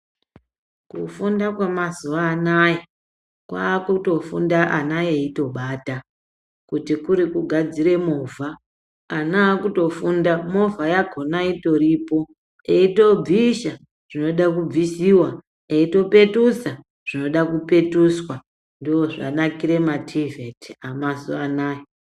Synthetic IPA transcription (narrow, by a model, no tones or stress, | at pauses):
kufundakwamazuʋaːnaja | kwa̰ːkuto̞fṵndaʔanajeito̞ɓaːta | kutikuɾikuɡʱad͡ziɾe̞movʱaː | naːkuto̞fundamo̞vʱajaɡʱo̞naito̞ɾiːpo̞ | eito̞b͡viʃa | ʐ̥ino̞ɗakub͡visiwa | eito̞pe̞tusa | ʐ̥ino̞ɗakupe̞tuswa | ndiwo̞ʐa̰nakiɾe̞matʰivetiamasuanaːje